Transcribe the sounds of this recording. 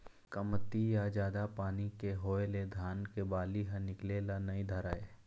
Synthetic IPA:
kəmt̪ːijad͡ʒaːd̪apaːnikeɦoːeled̪ʱaːnkebaːliɦə̃nɪkleːlanɐĩd̪ʱəɾaːe

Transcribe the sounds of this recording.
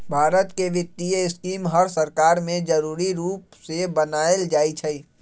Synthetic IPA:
bʱaːɾət̪keʋɪt̪ːiəɪskiːmɦəɾsəɾkaːɾmẽd͡ʒəɾuːɾiɾuːpsebənaːeld͡ʒaːit͡ʃʰəi

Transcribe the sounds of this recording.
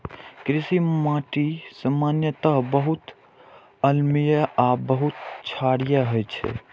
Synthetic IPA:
kɾisimãʈisəmanjət̪əɦbəɦut̪ | əlmijəabəɦut̪t͡ʃʰaɽijəɦojt͡ʃʰɛ̰

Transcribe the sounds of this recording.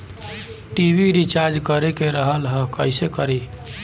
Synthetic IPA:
ʈibiɾit͡ʃaɾd͡ʒkəɾekeɾəɦəlɦəkəɪsekəɾi

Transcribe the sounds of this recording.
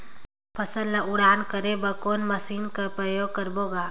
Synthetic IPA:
pʰɐsəlːaʊɽaːnkəɾebɐkoːnmɐsiːnkapɾəjoːɡ̚kɐɾboːɡaː

